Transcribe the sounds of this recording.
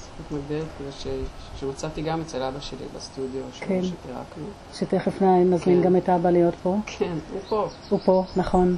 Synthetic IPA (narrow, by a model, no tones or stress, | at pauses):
mit̪maɡdelet̪kulaʃeʃemat͡sat̪iɡamet͡selabaʃelḭbest̪udjoʃekʰenʃet̪eʁa̰knu | ʃeteχefnaimːazminɡametabalejo̞tpo̞kʰenupo | upo̞naχo̞n